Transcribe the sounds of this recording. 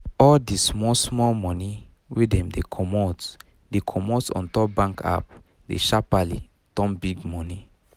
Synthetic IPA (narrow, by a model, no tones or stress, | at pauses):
ɔldismɔsmɔlmɔ̃ni | wedɛ̃mdekʰɔmɔt | dekʰɔmɔtsɔ̰̃ntɔp̚bãŋka̰p̚ | dḛʃapalḭ | tɔ̃mbiɡmɔ̃ni